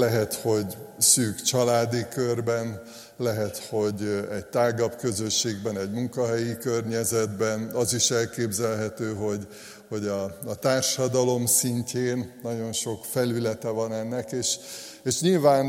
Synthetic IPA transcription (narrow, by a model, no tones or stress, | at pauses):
lɛɦɛt̪ho̞ɟsyːkt͡ʃɒlaːd̪ikørbɛn | lɛɦɛt̪ho̞ɟɛɟ̚t̪aːɡɒpkø̞zø̞ʃːeːɡbɛnɛɟmuŋkɒɦɛjikørɲɛzɛd̪bɛnɒziʃɛlkeːbzɛlɦɛt̪øːɦo̞ɟ | ho̞ɟɒɒt̪aːrʃɒd̪ɒlo̞msiɲceːnːɒɟo̞nʃo̞kfɛlylɛt̪ɛvɒnɛnːɛkeːʃ | eːʃɲilvaːn